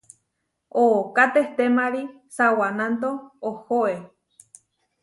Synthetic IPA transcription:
okat̪eht̪emaɾi | sawanant̪oːhoe

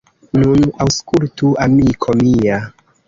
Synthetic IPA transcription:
nunawskultuamikʰomia

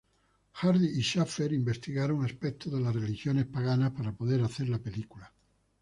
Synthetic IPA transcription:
xaɾðiːʃafeɾimbest̪iɣaɾoŋaspek̚t̪ʰoðelasrelixjonespaɣ̞anaspaɾapoðeɾaθeɾlape̞likula

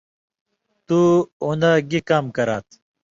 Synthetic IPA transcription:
t̪uund̪aɡikaːmkɐɾaːt̪

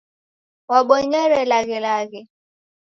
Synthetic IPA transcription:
waɓɔɲɛɾɛlaɣɛlaɣɛ

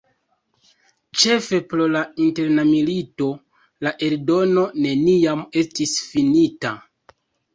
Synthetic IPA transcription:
t͡ʃe̞fe̞pɾo̞lainte̞ɾnamilito̞ | laʔe̞ɾdo̞no̞ne̞nijame̞stisfinita

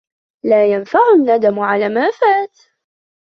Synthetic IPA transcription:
laːjanfaʕʊnːad̪amʕalaːmaːfaːt̪

